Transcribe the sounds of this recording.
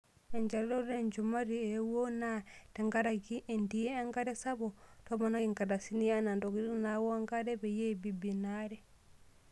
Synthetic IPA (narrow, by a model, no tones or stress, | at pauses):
ɛɲd͡ʒaldɔdɛnd͡ʒumaɾiɛwonatɛŋɡaɾaɡiʔɛndijɛaŋɡadɛsabɔtɔmanaŋɡadasinianandoɡidnawɔaŋɡadɛbɛjebibinaɾɛ